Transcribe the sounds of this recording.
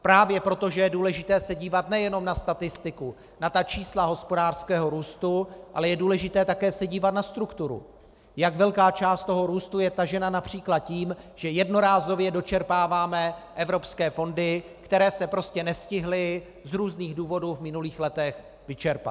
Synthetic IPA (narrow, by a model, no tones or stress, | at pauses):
pɾaːvjɛpɾo̞t̪oʒɛjɛduːlɛʒɪt̪ɛːsɛɟiːvat̪nɛjɛno̞mnast̪at̪ɪst̪ɪku | nat̪at͡ʃiːslaɦo̞spo̞daːr̥skɛːɦo̞ɾuːst̪uʔalɛjɛduːlɛʒɪt̪ɛːt̪akɛːsɛɟiːvat̪nast̪ɾukt̪uɾṵ | jaɡvɛlkaːt͡ʃaːst̪t̪o̞ɦo̞ɾuːst̪ujɛt̪aʒɛnanapr̝̥iːklat̪̚ciːm | ʒ̥ɛjɛdno̞ɾaːzo̞vjɛdo̞t͡ʃɛɾpaːvaːmɛʔɛvɾo̞pskɛːfo̞ndɪ | kt̪ɛɾɛːsɛpɾo̞scɛnɛscɪɦlɪ | zɾuːzniːɣduːvo̞duːvmɪnuliːxlɛt̪ɛx | vɪt͡ʃɛɾpa̰t̪